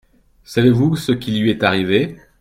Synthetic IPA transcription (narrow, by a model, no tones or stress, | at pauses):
savevusəkʲilɥiɛt̪aʁive